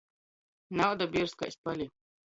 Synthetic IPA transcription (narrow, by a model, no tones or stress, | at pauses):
nawd̪abʲiɾska̰sʲpalʲi